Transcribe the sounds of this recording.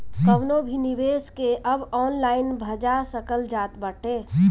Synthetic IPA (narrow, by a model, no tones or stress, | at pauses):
kəwnobʱiniʋeːskeʔəbɔːnlaːɪnbʱəd͡ʒasəkəld͡ʒaːt̪bəʈʰeː